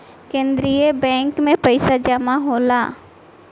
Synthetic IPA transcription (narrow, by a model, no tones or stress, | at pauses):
kẽːnd̪ɾijəbɛ̃ːŋkmẽpɐɪsad͡ʒəmaɦoːlaː